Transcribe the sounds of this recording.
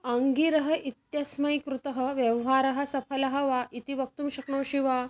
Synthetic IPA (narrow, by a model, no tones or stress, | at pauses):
aŋɡiɾɐɦɐ̆ʔit̪jɐsmɐjkɾut̪ɐɦəʋjɐʋɦaːɾɐɦɐ̆sɐfʰɐlɐɦɐʋaʔit̪iʋɐk̚t̪umɕɐkɳoːɕiʋa